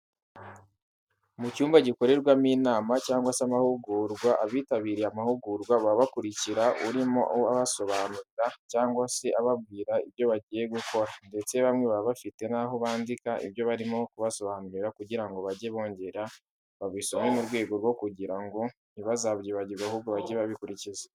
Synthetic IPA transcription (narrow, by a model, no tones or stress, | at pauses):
mucuːmbaɟiko̞ɾe̞ɾɡwamiːnaːmacaːŋɡwasamahuɡuːɾɡwaʔaβiːtaβiːɾeamahuɡuɾɡwaβaβakuɾiciɾauɾimo̞̰ʔaβaso̞βaːnuɾiɾacaːŋɡwase̞ʔaβaβ̚ɡiːɾaiβjo̞βaɟiːje̞ɡuko̞ɾande̞t͡se̞βamŋe̞βaβafite̞naɦo̞βaːndikaḭβjo̞βaɾimo̞kuβaso̞βaːnuɾiɾakuɟiɾaŋɡo̞βaɟe̞βo̞ːɲɟe̞ɾa | βaβwiːsomemuɾɡwe̞ːɡo̞ɾwo̞kuɟiɾaŋɡo̞ | niβazaβjeβaɟiɾɡahuːbɡoβaɟeβaβikuɾicize